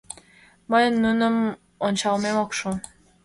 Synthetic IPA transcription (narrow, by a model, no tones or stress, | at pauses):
məjnːunəm | ont͡ɕɑlˠmemokʃu